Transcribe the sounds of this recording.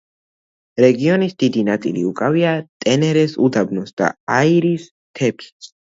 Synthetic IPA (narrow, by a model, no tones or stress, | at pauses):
ɾɛɡiɔnisd̪id̪inat̪sʼḭlḭukʼaviat̪ʼɛnɛɾɛsud̪abnɔsd̪̥a̰aiɾis | t̪ʰɛpʰs